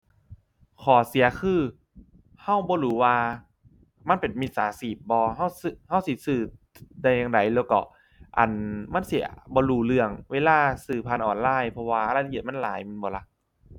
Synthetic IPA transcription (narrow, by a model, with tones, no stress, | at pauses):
kʰɔː˨˦si˨˩˦ɐkʰɯː˧˩ | ha˧˥˩wbɔː˧˦ɾuː˨˦waː˧ | ma˧˥˨npe˨˩nmi˧t̪̚saː˨˦siː˨˩p̚bɔː˧ɦa˧˥˩wsɯ˧˩ha˧˥˩wsi˨˧˦sɯː˧˩ | da˧jːaː˧ŋda˨˦jlɛː˧wkɔ̰˧˩ | ʔa̰˨˩nma˧˥˨nsi˨˩˦ɐ˦bɔː˧˦ɾuː˧˩lɯ˧əŋweː˧laː˧˩sɯː˧˩pʰa˧nʔɔː˨˩nlaː˧˥˩jpʰɔ˧waː˧ʔla˧˩˧i˨˩ma˧˥˨nla̰ː˨˦jma˧˨nbɔː˧˦la˧˩ʔ